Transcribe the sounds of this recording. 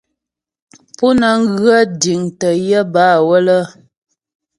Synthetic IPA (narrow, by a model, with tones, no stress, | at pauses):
pu˦nə˨ŋ̩˦ɣɰa˦di˨ŋtə˨jə˦baː˦˨wə˦lə˦